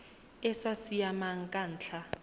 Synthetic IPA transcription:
ɛsasijamaŋ̩kʼan̩ːt͡ɬʰa

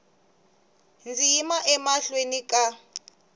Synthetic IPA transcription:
nd͡zijimaʔɛmaɬwenikʼa

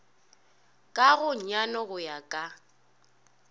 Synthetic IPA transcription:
kʼaɣʊɲanɔɣʊjakʼa

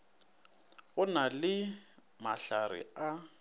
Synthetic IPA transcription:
ɣʊnalɪ | maɬarɪ̰a

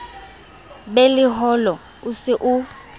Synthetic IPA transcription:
ɓelɪɦɔlɔ | usɪʔu

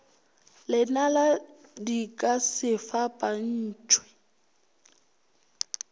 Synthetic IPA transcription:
lɪnaladikʼasɪfapʼan̩ːt͡ʃʰʼwɪ̥

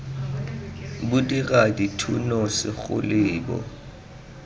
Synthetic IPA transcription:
bʊdiɣaditʰṵnɔsɪɣʊ̰lɪːbɔ̰

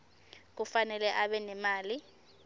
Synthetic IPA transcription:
k̬ufanɛlɛʔaɓɛnɛmaːli

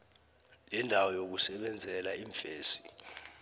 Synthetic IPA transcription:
lɛndʱawɔjok̬usɛɓɛnd͡zʱɛlaiːɱfeːsi̥

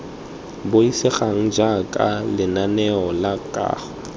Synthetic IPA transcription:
bʊisɪχaŋ̩d͡ʒakʼalɪnanɛɔlakʼa̰ːχɔ

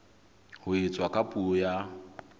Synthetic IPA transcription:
hʊɪt͡sʼwakʼapʼuɔja

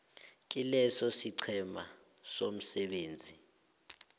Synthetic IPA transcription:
k̬ʼilɛsɔsiǀʰɛma̰ | som̩sɛɓeːnd͡zʱi

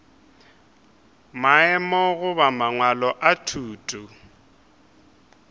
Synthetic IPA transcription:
maɛmɔɣʊbamaŋwalɔʔatʰuːtʼu

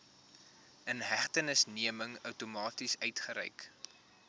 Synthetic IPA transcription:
ənɦæχtənəsniəməŋœwtumɑːtisœɥtχəɾɛ̰jk

